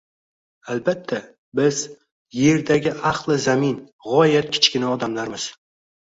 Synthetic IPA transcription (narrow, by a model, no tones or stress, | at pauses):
albat̪ʰːa | bɪz̥ | je̞ɾd̪aɡʲɪʔɑqlˠɪzamɪn | ʁɒjat̪̚kʲʰɪ̥t͡ʃkʲɪnaɒd̪amlaɾmɪz̥